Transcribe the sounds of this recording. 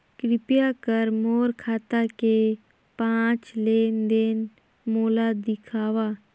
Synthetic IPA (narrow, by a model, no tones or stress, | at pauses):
kɾɪpjakəɾmoːɾkʰaːt̪ake | pãːt͡ʃleːnd̪eːn | moːlad̪ɪkʰaːʋa